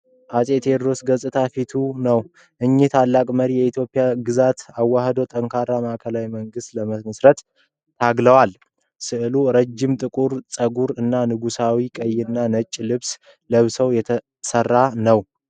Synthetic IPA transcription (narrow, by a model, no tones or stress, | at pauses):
ʔasʼe̞t̪ʰed̪ɾo̞sɡəsʼɨt̪ʰafit̪ʰunəw | ʔɨɲːɪht̪ʰalːakʼməɾijɛit̪ʰjo̞pʼːɪjaɡɨzat̪awːahd̪owt̪ʼəŋkʰaɾamaʔkʰəlawiməŋɡɨst̪ləməməsɾət̪ | t̪ʰaɡləwal | sɨʔɨluɾəd͡ʒːɪmt̪ʼɨkʼuɾsʼəɡuɾɨnːanɨɡusawikʼəjːɪnːanət͡ʃʼːlɨβs | ləβsəwjɛt̪ʰə | sərːanəw